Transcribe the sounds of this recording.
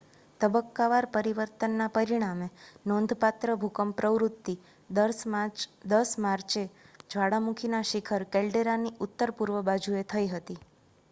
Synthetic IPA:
t̪əbəkːaʋaɾpəɾiʋəɾt̪ənːapəɾiɽ̃amenɔ̃nd̪ʱpat̪ɾəbʱukəmpɾəʋɾut̪ːi | d̪əsmaɾt͡ʃed͡ʒʋaɽamukʰinaʃikʰəɾkelɖeɾaniʔʊt̪ːəɾpuɾʋəbad͡ʒʱuet̪ʰəiɦət̪i

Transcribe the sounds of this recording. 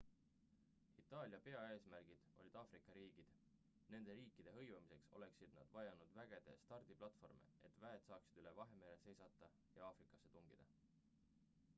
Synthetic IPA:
it̪ːˑɑːlʲjɑpe̞ɑe̞ːsmærɡ̥id̪̥o̞lʲid̪̥ɑːfrikːˑɑɾiːɡ̥id̪̥ | ne̞nd̪̥e̞ɾiːkːˑid̪̥e̞ɦɤ̞jvɑmise̞kso̞̰le̞ksid̪̥nɑ̰d̪̥vɑjɑnud̪̥væɡ̥e̞d̪̥e̞̰st̪ɑrd̪̥iplɑt̪ːˑfo̞rmḛet̪ːˑvæet̪sɑːksi̥d̪̥yle̞vɑɦe̞me̞ːlese̞jsɑt̪ːˑɑ | jɑɑːfrikˑːɑ̥sːet̪uŋɡ̥id̪̥ɑ

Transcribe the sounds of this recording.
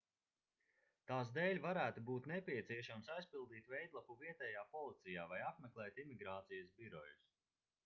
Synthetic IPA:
t̪aːsd̪eːlʲvaɾæːt̪ubuːt̪nɛpʲiɛt̪siɛʃamsajspilˠd̪iːt̪vɛjd̪lˠapuviɛt̪ɛjaːpɔlˠit̪sijaːvajapmɛklˠɛːt̪imiɡɾaːt̪sijɐsbiɾɔ̰jus

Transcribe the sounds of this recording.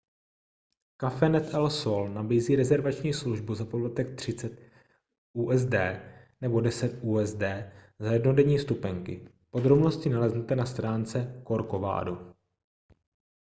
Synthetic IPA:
kafɛnɛt̪ɛlsolnabiːziːɾɛzɛɾvat͡ʃɲiːsluʒbuzapodlat̪ɛk̚t̪r̝̥ɪt͡sɛt̪ | ʔuːʔɛzdɛːnɛbo̞dɛsɛt̪ʔuːɛzdɛː | zajɛdno̞dɛɲiːst̪upɛŋkɪ̰ | po̞d̪ɾo̞bno̞scɪnalɛznɛt̪ɛnast̪ɾaːnt͡sɛko̞ɾkova̰ːdu

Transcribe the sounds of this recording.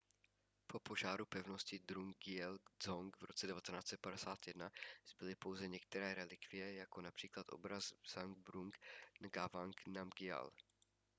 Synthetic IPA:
pʰo̞po̞ʒaːɾupɛvno̞scɪd̪ɾuŋɡɪɛlzoŋkvɾo̞t͡sɛdɛvat̪ɛnaːt͡sɛt̪̚padɛsaːt̪jɛdnaz̥bɪlɪpo̞wzɛɲɛk̚t̪ɛɾɛːɾɛlɪkvɪjɛjako̞napr̝̥iːklat̪ʔo̞̰bɾazz̥aŋɡbɾuŋknaɡavaŋknamɡɪa̰l

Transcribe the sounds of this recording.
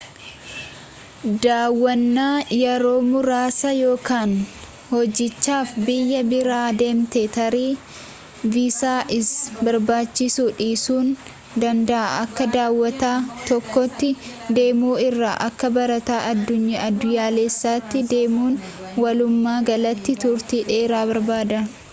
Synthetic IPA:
d̪aːwːɐnːaːjɛɾo̞ːmʊɾaːsɐjo̞ːkaːn | hɔd͡ʒːɪt͡ʃːaːfbɪjːɐbɪɾaːd̪e̞ːmt̪et̪ɐɾiː | viːsaːʔɪsbɐɾbaːt͡ʃːɪsuːᶑiːsuːn | d̪ɐnd̪ɐʔaʔɐkːɐd̪aːwːɐt̪aːt̪ɔkːɔt̪ːɪd̪e̞ːmuːɪrːaːʔɐkːɐbɐɾɐt̪aːʔɐd̪ːʊɲːɐɐd̪ːʊjaːleːsːaːt̪ːɪd̪e̞ːmuːn | wɐlʊmːaːɡɐlɐt̪ːɪt̪ʊɾt̪iːᶑeːɾaːbɐɾbaːd̪ɐ

